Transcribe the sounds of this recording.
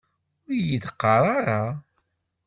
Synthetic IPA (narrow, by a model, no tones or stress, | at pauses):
ʊɾjiθəqːɑɾˤaɾˤa